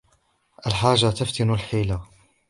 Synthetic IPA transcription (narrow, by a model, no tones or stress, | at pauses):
ʔalħaːʒːat̪aft̪ɪnʊlħiːla